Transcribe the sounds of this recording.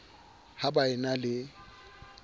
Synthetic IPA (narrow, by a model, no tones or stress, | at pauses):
habaɪnalɪ